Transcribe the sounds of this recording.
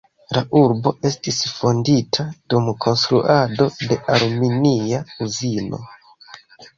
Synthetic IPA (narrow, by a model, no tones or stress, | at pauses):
laʔuɾbo̞ʔe̞stisfo̞nditʰadumkʰo̞nstɾuʔado̞de̞ʔaɾminiauzino̞̰